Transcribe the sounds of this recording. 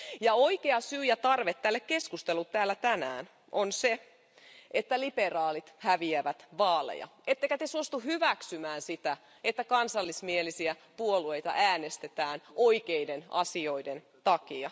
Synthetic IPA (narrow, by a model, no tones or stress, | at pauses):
jɑoikeɑsyːjæt̪ɑrʋet̪ːælːekkeskust̪elut̪tæːlːæt̪ænæ̰ːn | ʔonse | ʔet̪ːæliperɑːlit̪hæʋiæʋæt̪ʋɑːlḛjɑ̰ʔet̪ːeikæt̪esuost̪uhyʋæksymæːnsit̪æ | et̪ːækɑnsɑlːismielisiæpuolue̞ijt̪ɑ̰ʔæːnest̪et̪æːnoikeidenɑ̰sio̞iden | t̪ɑkiɑ